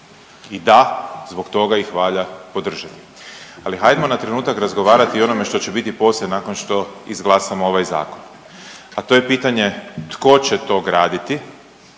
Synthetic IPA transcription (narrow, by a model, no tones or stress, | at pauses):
id̪azbo̞kt̪o̞ɡaixʋaːʎapo̞d̪r̩ʒat̪i̥ | aliɦajd̪emo̞nat̪ɾe̞nuːt̪akɾazɡo̞ʋaːɾat̪io̞no̞me̞ʃt̪o̞t͡ɕebit̪ipo̞ːsʎenaːko̞nʃt̪o̞izɡlˠaːsamoo̞ʋajza̰ːko̞n | at̪o̞jepiːt̪aɲe̞t̪ko̞t͡ɕet̪o̞ɡɾaːd̪it̪i